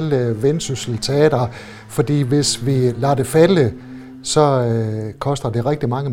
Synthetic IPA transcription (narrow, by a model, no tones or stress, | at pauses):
ləʋensusl̩t͡sʰeɛ̰ːd̥ɐ | fɒ̽d̥ḭːʋe̝sʋilæ̈d̥e̝fælə | sɒ̽kʰɒ̽sd̥ɐd̥e̝ʁɛɡ̥̚d̥imɑ̈ŋə